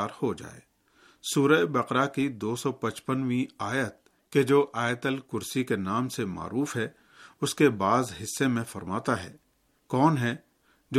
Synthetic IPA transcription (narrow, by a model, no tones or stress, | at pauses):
aːɾhod͡ʒa̰ːḛː | suːɾəebɐqɾakid̪oːsɔpɐt͡ʃpənʋĩaːjət̪̚ | ked͡ʒoːʔaːjət̪əlkʊɾsikenaːmsema̰ːɾuːfɦɛ | ʊskebaːzɦɪsːemẽfɐɾmaːt̪aɦɛ̰ː | kɔːnɦɛ | d͡ʒ